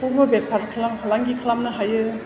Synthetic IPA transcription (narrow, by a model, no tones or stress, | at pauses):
obɐbepʰːaɾkʰlamhalaŋɡikʰlamnɯɦajɯ